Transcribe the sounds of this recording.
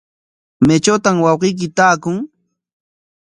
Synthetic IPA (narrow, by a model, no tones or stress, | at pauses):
met͡ʃot̪amwɑwqijk̬ɪt̪aːkʊŋ